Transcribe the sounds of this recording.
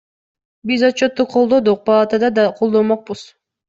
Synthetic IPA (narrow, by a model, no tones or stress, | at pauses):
bizot̪̚t͡ʃot̪ːuqʰolˠd̪o̞d̪uq̚pʰɑlˠɑt̪ad̪ɑd̪ɑqʰo̞lˠd̪omoq̚buz̥